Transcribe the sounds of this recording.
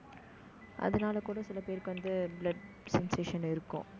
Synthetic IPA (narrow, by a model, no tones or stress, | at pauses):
ʔɐ̰ðɐnaːlɐkuːɽɐsɪlɐpeːɾkːɯʋɐnd̪ɯblɐɖ | sɛnseːʂɐnɪɾɯkːʊ̰̃